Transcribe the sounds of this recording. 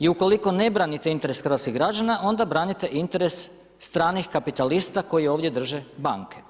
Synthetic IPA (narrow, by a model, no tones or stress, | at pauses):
iuko̞liko̞ne̞bɾanit̪eint̪e̞ɾe̞sxɾ̩ʋat̪skiɣɡɾad͡ʒanaʔo̞nd̪abɾaːnit̪e̞ʔint̪e̞ɾe̞sː | t̪ɾaːnixkapit̪alist̪ako̞jioːʋd̪je̞d̪r̩ʒebaŋkʰe̞̥